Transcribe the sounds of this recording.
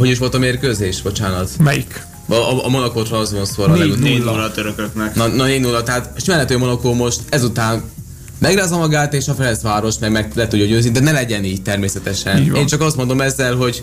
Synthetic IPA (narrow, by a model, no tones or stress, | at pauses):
ɦo̞ɟiʃ̬o̞lt̪ɒmeːrkøːzeːʃbo̞t͡ʃaːnɒt̪mɛjik | ɒɒmo̞nɒkoːt̪rɒnszonsoɾɒleɛuelɒt̪øɾøkøknɛknnɒneːnuːlːɒt̪ɛɦat̪ʃmɛlːɛt̪ːøːmo̞nɒkoːmo̞ʃt̪ɛzut̪aːn | mɛɡraːzɒmɒɡaːt̪eːʃɒfɛɾɛnsʋaːɾo̞ʃmɛɡmɛɡlɛt̪uɟːoɟøːznid̪ɛnɛlɛɟɛniːɟt̪ɛrmeːsɛt̪ɛʃɛnḛːnt͡ʃɒkɒst̪mo̞nd̪o̞mɛzːɛlɦo̞ɟ